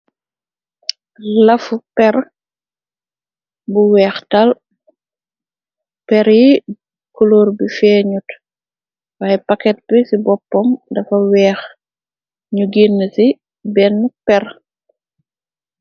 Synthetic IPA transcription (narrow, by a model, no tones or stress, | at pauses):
lɐfupɛɾ | buwɛːxtɐl | pɛɾji | kɔloːɾbifɛːɲut | waːjɛpɐkɛt̚bisibɔpːɔmdɐfɐwɛːx | ɲuɡinːsi | bɛnːpɛr